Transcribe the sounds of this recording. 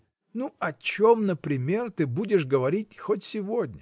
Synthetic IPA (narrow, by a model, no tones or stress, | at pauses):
nuɐt͡ɕomnəpɾʲɪmʲe̞rt̪ɨbudʲɪʂɡəvɐɾʲitʲxotʲsʲɪvodʲnʲə